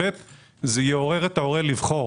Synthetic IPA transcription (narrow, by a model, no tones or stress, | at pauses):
et̪ | zejeo̞ʁeʁet̪aoʁelivχo̞